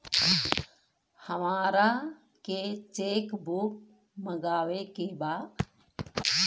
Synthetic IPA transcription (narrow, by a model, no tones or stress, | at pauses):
həmaːɾa | ket͡ʃeːkbuk | məɡaːʋekebaː